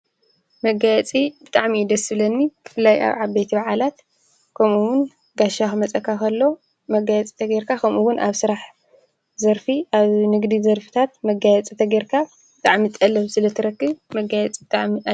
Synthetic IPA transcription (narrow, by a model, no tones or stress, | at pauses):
mɐɡajɛt͡sʼib̥ɨt̪ʼaʕmiːd̪ɐsɨbɨlɐnːikʰɨ̥fɨlaja̰βʕaβbejt̪ʰibaʕalat̪ | kʰɐmuwʊn | ɡaʃaxɨmɐt͡sʼɐkʰːakʰɐlːo̞ | mɐɡajɛt͡sʼi̥t̪ʰɐɡeɾkʰakʰɐmʔuwʊnʔaβsɨɾaħ | zɐɾfiaβnɨɡd̪izɐɾfi̥t̪ʰat̪mɐɡajɛt͡sʼit̪ʰɐɡeɾkʰa | bɨt̪ʼaʕmit̪ʼɐlɐβsɨlɐt̪ʰɨɾɐkːɨβmɐɡajɛt͡sʼibɨt̪ʼaʕmi